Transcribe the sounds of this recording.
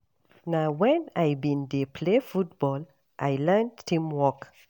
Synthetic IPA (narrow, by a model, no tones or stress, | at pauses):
nawɛ̃najbĩnd̪epʰlefutb̥ɔl | ʔajlɛntːĩmwɔk